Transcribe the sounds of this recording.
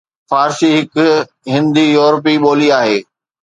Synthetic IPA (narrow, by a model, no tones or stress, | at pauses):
faːɾʃiɦɪkʊ | ɦɪ̃nd̪ijuːɾp̬iɓoːliaːɦeː